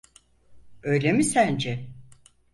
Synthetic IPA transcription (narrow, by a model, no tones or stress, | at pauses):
øjlʲemisænd͡ʒɛ